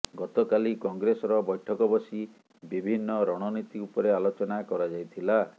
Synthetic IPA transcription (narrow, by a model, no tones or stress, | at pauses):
ɡɔt̪ɔkalikɔŋɡɾesɔɾɔbɔjʈʰɔkɔbɔsi | bibʱinːɔɾɔɽ̃ɔnit̪iupɔɾealot͡ʃɔnakɔɾad͡ʒajt̪ʰila